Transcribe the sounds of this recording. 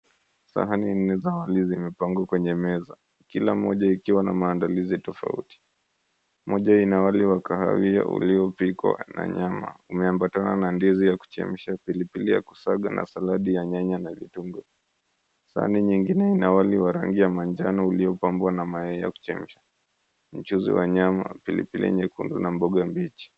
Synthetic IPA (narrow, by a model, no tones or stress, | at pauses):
sa̰ɦanin̩nːɛzawalizimɛpaŋɡwakwɛɲɛmɛza | kilam̩ɔʄaikiwanamaːndalizitɔfa̰ṵti̥ | mɔʄainawaliwakaha̰wia̰ʔṵliɔpikwa̰na̰ɲama̰umɛambatana̰nandizijaku̥t͡ʃɛ̰m̩ʃapilipilijaku̥saɠa̰nʔa̰salaɗijaɲaɲanavḭtuŋɡɔ | sa̰niɲiŋɡinɛinawaliwaɾa̰ŋɡijamand͡ʒanɔuliɔpambwanamaɛija̰ku̥t͡ʃɛm̩ʃḁ | m̩t͡ʃuzḭwaɲama̰pilḭpilḭɛ̰ɲɛkundunambɔɠambit͡ʃi̥